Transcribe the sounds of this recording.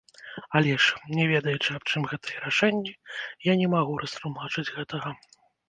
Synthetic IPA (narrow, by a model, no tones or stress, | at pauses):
alʲɛʂnʲɛvʲɛd̪ɐjɛt͡ʂɨap̚t͡ʂɨmɣɛt̪ɐjɛɾaʂɛnʲːijanʲɛmaɣuɾɐst̪lˠumat͡ʂɨd͡zʲɣɛt̪ɐɣɐ